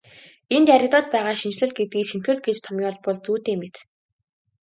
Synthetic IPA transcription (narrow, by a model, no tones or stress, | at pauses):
ent̪aɾʲɪ̆t̪ɔːt̪̚pæːʁaːʃint͡ɕɮɘ̆ɮɡet̪̚ɡiːʃent̪xɘ̆ɮɡet͡ɕt̪ʰɔmjʊːɮpɔɮt͡suːt̪eːmet̪